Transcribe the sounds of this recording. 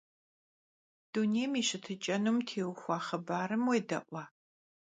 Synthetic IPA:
d̥unejmiːɕɨtʰɨt͡ʃʼɐnumtʰeːwxʷɑːχɐbaːɾɨmweːdɐ̰ʔʷɑː

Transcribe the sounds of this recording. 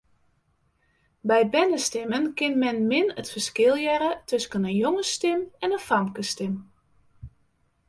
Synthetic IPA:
bɛjbɛnəstɪmənkɪnmɛnmɪnətfərskɪlˠjɛɾətʰøskənənjoŋəstɪmɛnəfamkəstɪm

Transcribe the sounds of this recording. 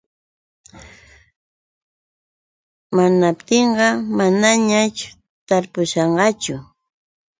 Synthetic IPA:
manapt̪eɴɢɑmanaɲat͡ʃʊ̥ | t̪aɾpʊʃɑɴɢɑt͡ʃʊ

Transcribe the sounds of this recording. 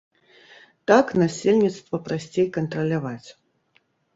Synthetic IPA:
t̪aknasʲelʲnʲit̪st̪vɐpɾasʲt͡sʲejkɐnt̪ɾɐlʲavat͡sʲ

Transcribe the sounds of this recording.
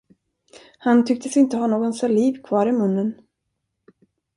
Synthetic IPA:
hant̪ʰʏk̚t̪əsɪnt̪əhanoːɡɔnsaliːvkʰvɑːɾɪmɵnːən

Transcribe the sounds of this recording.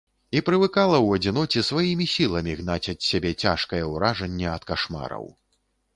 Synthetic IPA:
ipɾɨvɨkalˠɐwɐd͡zʲin̪ɔt͡sʲisvajimʲisʲilˠɐmʲiɣnat͡sʲɐt̪sʲabʲɛt͡sʲaʂkɐjɛwɾaʐɐnʲːɛɐt̪kaʂma̰ɾɐ̰w

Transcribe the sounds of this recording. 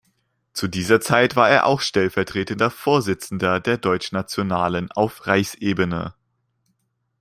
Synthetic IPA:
t͡sudiːzɐt͡saɪtv̥aːɐeːɐʔa̰ʊxʃtɛlfɛɐtʁ̥eːtəndɐfoːɐzɪt͡sn̩dɐdeːɐdɔʏt͡ʃnat͡sjonaːləna̰ʊfʁaɪçsʔeːbənə̰

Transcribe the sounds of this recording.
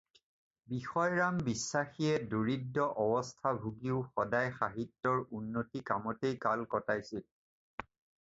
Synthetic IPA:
bixɔjɹambisːaxiɛdoɹidːɔʔɔbɔstʰabʱuɡiʊxɔdajxaɦitːɔɹunːotikamɔtejkalkɔtajsil

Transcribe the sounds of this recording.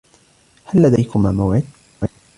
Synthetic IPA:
halːad̪ajkʊmaːmawʕɪd̪̚ | wa

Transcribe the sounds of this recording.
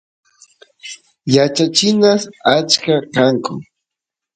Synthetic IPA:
jat͡ʃat͡ʃɪnasat͡ʃkakaŋkʊ

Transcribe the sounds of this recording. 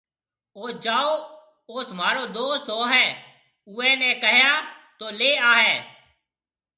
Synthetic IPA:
oːd͡ʒaːoː | oːsmaːɾoːd̪oːst̪ɦoːɦɛː | ʊɛ̃ːnɛ̃ːkəɦjaːt̪oːleːaːɦɛː

